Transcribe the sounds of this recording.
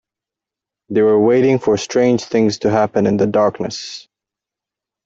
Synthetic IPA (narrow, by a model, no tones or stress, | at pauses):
ðeɪwə˞weɪɾɪ̃ŋfə˞stɹ̥ẽɪ̃nd͡ʒ̥θɪ̃ŋz̥tʰɨɦæpɨ̃nɨ̃nðɨdɑɹknɨ̰s